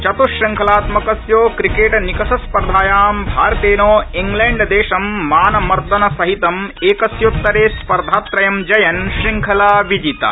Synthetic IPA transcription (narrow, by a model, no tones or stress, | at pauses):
t͡ʃɐt̪uʂːɐŋkʰɐlaːt̪mɐkɐsjoːkɾikeːʈnikɐsɐspɐɾd̪ʱaːjaːmbʱa̰ːɾɐt̪eːnoːiŋɡleːɳɖd̪eːʃɐmːaːnɐmɐɾd̪ɐnɐsɐɦit̪ɐmeːkɐsjot̪ːɐɾeːspɐɾd̪ʱaːt̪ɾɐjɐmd͡ʒɐjɐnʃiŋkʰɐlaːʋid͡ʒit̪ɐ̰